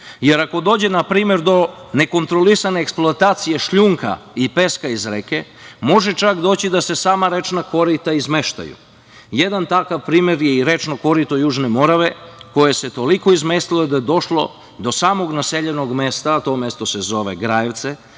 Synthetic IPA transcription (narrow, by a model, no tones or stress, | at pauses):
je̞ɾako̞d̪o̞ːd͡ʑenapɾiːmje̞ɾd̪o̞ne̞ko̞nt̪ɾo̞lisane̞ːksploat̪aːt̪sije̞ʃʎuːŋka̰ipe̞skaizɾeke̞mo̞ʒe̞t͡ʃakd̪o̞ːt͡ɕid̪ase̞saːmaɾe̞t͡ʃnako̞ɾit̪aizme̞ʃt̪a̰jṵ | je̞d̪ant̪akaʋpɾiːmje̞ɾjeiɾe̞t͡ʃno̞ko̞ɾit̪ojuːʒne̞mo̞ɾaʋe̞ko̞jese̞t̪o̞liko̞izmest̪ilo̞jed̪ajed̪o̞ʃlo̞̰ | d̪o̞saːmo̞ɡnaseʎeno̞ɡme̞st̪at̪o̞mjest̪ose̞zo̞ʋe̞̰ɡɾajeʋt̪se